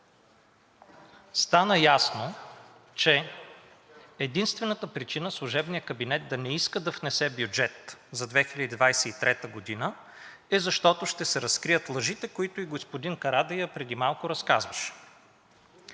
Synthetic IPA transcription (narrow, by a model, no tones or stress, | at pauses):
st̪anəjasno | t͡ʃɛ | d̪inst̪vɛnət̪əpɾit͡ʃinəslˠoʒɛbnijəkɐbinɛt̪̚d̪ɐnɛiskəd̪ɐfnɛsɛbjʊd͡ʒɛt̪zɐd̪vɛxilʲəd̪id̪vajsɛit̪ɾɛt̪əɡod̪inə | ɛzɐʃt̪ɔt̪oʃt̪ɛsɛɾɐskɾijət̪lˠɐʒit̪ɛkoit̪ʊiɡospod̪inkɐɾad̪ɐjəpɾɛd̪imalˠkʊɾɐskazvəʃɛ̥